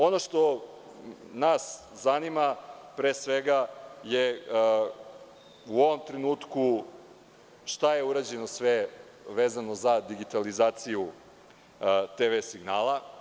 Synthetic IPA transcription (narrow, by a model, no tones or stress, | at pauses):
o̞no̞ʃt̪o̞ | nas | zanimapɾeːsʋeɡaje | uo̞ʋo̞mt̪ɾenuːt̪ku | ʃt̪aje̞uɾad͡ʑeno̞sʋe | ʋeːzano̞zad̪iɡit̪alizaːt̪siju | t̪eʋesiɡnaːlˠa